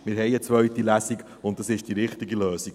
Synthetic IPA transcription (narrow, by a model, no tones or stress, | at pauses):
mɪɾɦɛɪət͡svœɥt̪ilæsiɡ | ʊntd̥ɑsɪʃd̥iɾɪχtiɡiløːsiɡ